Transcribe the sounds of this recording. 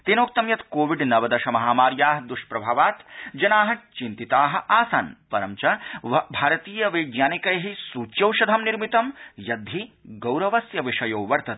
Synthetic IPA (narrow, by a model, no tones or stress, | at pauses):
t̪eːnoːk̚t̪ɐmjɐt̪koːʋiɖnɐʋɐd̪ɐʃɐmɐɦaːmaːɾjaːɦɐd̪uʃpɾɐbʱaːʋaːt̪d͡ʒɐnaːɦɐ̆t͡ʃint̪it̪aːɦɐ̆ʔaːsa̰ːnpɐɾɐmt͡ʃɐbʱaːɾɐt̪iːjɐʋeːɡjaːnikɐjɦisuːt͡ʃjɐwʃɐd̪ʱɐmniɾmit̪ɐmjɐd̪ʱiɡɐwɾɐʋɐsjɐʋiʂɐjoːʋɐɾt̪ɐt̪̚